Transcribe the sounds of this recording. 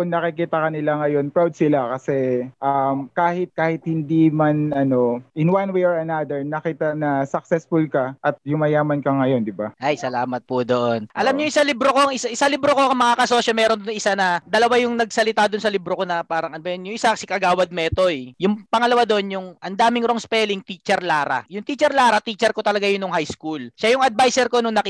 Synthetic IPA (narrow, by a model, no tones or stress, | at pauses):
ʊŋnɐkɪkiːt̪ɐkɐnɪlaŋɐjo̞npɹawd̪̚sɪlakɐsɛʔamkaːhɪt̪̚kaːhɪt̪̚hɪnd̪imanɐno̞ʔɪnwanwejoɹɐnad̪ɛɹnɐkiːt̪ɐnɐsɐk̚sɛsfʊlkɐʔɐt̪̚jʊŋmɐjaːmɐnkɐŋɐjo̞nd̪ɪbaʔɐjsɐlaːmɐt̪̚pʊd̪o̞ʔonʔɐlamɲoʔɪsalibɾoko̞ɐŋɪsaʔɪsalɪbɾoko̞ɐŋmɐŋakɐso̞ːsɐmɛːɾond̪onʔɪsanɐd̪ɐlɐwajʊŋnɐɡsɐlɪt̪ad̪ʊnsɐlɪbɾokonɐpaːɾɐŋɐd̪bɛnjʊŋʔɪsakɐsikɐɡaːwɐd̪̚mɛːt̪o̞ɛjʊŋpɐŋɐlɐwad̪oʔonjʊŋʔɐnd̪aːmɪŋɾoŋspɛlɪŋt̪iːt͡ʃɛɾlaːɾɐ̰jʊŋt̪iːt͡ʃɛɾlaːɾɐt̪it͡ʃɛɾko̞t̪ɐlɐɡajʊnːʊŋhajskulʃajʊŋɐd̪̚bajsɛɾko̞nʊŋnɐkɪ